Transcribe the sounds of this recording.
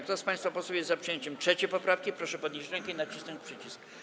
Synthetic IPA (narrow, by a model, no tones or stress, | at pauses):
kt̪ɔspãj̃st̪fapɔswɔwjɛzzapʂɨjɛɲt͡ɕɛmtʂɛt͡ɕɛpɔpɾafkʲipɾɔʂɛpɔd̪nɲʲiʑd͡ʑɾɛŋkɛinat͡ɕisnɔɲt͡ɕpʂɘt͡ɕisk